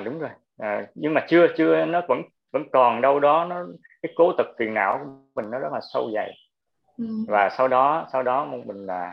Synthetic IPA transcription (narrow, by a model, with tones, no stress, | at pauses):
ɗʊ˨˦ŋ͡mzo˨˩j | əː˨˩ɲɨ˧ŋmaː˨˩t͡ɕɨ˧ət͡ɕɨ˧ənɔ˨˦və̰˧˥n | və̰˧˥nkɔ˨˩nɗə˧wɗɔ˨˦nɔ˨˦kaː˨˦jko˨˦t̪ɨ˨˩k̚fi˨˩ənʔa̰ː˧˩wku˧˩ə˦ŋ͡mmï˨˩ŋ̟nɔ˨˦zə˦˥t̚laː˨˩sə̰˧wza̰˧˨j | vaː˨˩sa˧wɗɔ˨˦sa˧wɗɔ˨˦mo˧ŋ͡mmï˨˩ŋ̟laː˨˩